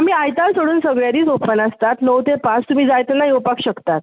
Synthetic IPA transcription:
am̤iːajt̪alsoɽuːnsəɡɭjad̪iːt͡sopənəst̪at̪nəwt̪epãt͡st̪um̤iːd͡zajt̪ənaiopakɕəkt̪at̪̚

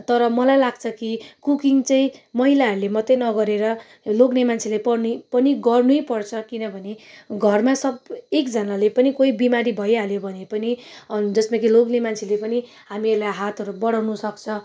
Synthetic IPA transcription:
t̪ʌɾʌmʌlajlaɡt͡sʰʌkikukiŋt͡saĩmʌɦilaɦʌɾulemʌt̪enʌɡʌɾeɾʌ | loɡnemant͡sʰilepʌrnupʌniɡʌrnujpʌrt͡sʰʌkinʌbʱʌneɡʱʌrmasʌbekd͡zʌnalepʌnikoibimaɾibʱʌjɦaljobʱʌnepʌnid͡zʌsmakiloɡnemant͡sʰilepʌni | ɦamierlajɦat̪ʰʌɾubʌɽawnusʌkt͡sʰʌ

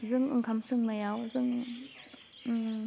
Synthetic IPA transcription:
zɯŋɯ̰ŋkʰamsʰɯŋnajawzɯŋ

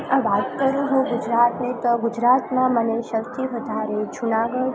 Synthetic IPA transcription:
əʋat̪kəɾũɦũɡʊd͡ʒɾat̪net̪oɡʊd͡ʒɾat̪mãməneʃəkt̪iʋəd̪ʱaɾed͡ʒunaɡəɽ

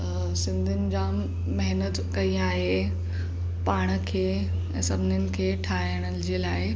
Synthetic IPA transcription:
sɪ̃nd̪ʱɪnɪ̆d͡ʑaː | mɐɦɪnət̪kɐĩaːɦe | paːɽ̃əkʰeː | ɛ̰̃ːsɐbʱɪnɪnɪ̆kʰeːʈʰaːɦəɽ̃əd͡ʑeːlaːɪ

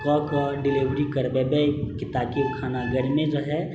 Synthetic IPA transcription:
kɔkɔɖɪliʋɾikəɾbebekɪt̪akikʰaːnaɡəɽimẽd͡ʒoɦɛ

